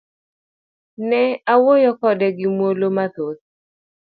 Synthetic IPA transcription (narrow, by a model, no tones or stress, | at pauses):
nɛawojɔkɔdɛɡɪmwolomat̪ot̪